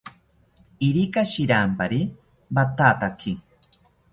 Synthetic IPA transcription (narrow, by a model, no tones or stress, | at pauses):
iɾikaʃiɾampaɾi | bat̪aːt̪akʰi